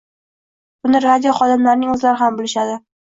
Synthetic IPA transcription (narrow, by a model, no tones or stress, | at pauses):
b̥ʊnɪɾad̪ʲijoχɒd̪ɪmlaɾɪnɪŋɵzlaɾɪhambʊlɪʃad̪ɪ